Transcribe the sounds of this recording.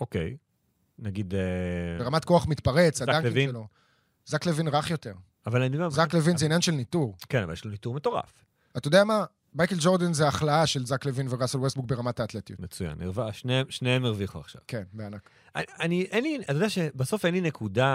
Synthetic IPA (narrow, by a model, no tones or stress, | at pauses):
okḛj | naɡidebeʁamat̚koaχmit̪paʁe̞t͡saddaŋiiʃlo̞ | zaklevinʁaχjote̞ʁ | avalanibzzaklevinzeinjanʃelnituʁkenava̰ljḛʃlonituʁme̞to̞ʁa̰f | atajodeama | majkeld͡ʒo̞ʁd̪enzeaχlaaʃe̞lzaklevinveʁaselwest̚buk̚be̞ʁamataːt̪let̪ijutmet͡suja̰nḭʁvaʃnemʃneemeʁviχua̰χʃa̰v̥kenbeanak | aaniʔenliatjodeaʃebaso̞fenlinekʰuda